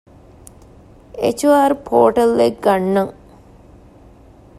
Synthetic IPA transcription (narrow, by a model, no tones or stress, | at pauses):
ḛt͡ʃuaːɾupʰoːʈɐlʋek̚ɡanːɐŋ